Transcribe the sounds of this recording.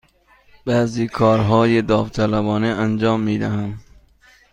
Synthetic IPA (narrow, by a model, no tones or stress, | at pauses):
b̥æːziːkʰɒːɾɦɒːjed̪ɒːft̪ʰælæbɒːneænd͡ʒɒːmːiːd̪æɦæn